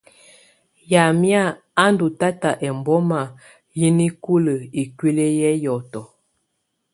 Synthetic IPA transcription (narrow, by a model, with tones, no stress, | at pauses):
ja˨mja˦˨ | a˦n˦du˨ta˦ta˨ʔɛ˨m˨bɔ˦ma˨ | ji˦ni˦ku˦lə˨i˨kwi˦le˦jɛ˦jɔ˨tɔ˨